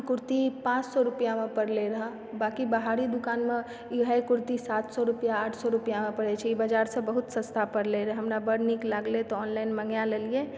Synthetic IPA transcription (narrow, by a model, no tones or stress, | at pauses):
kʊɾt̪ipãːt͡ʃsɔɾupjamẽpəɽleɾɐɦa | baːkibəɦaːɾid̪ʊkaːnmẽ | ɦəekʊɾt̪isaːt̪sɔɾupjaaːʈʰsɔɾupijamẽpəɽɛt͡ʃʰɛibad͡ʒaːɾsə̃bəɦʊt̪sə̃st̪ʰapəɾleɾeɦɐmɾabəɽniklaɡlet̪oɔːnlaːɪnməŋɡjaləlie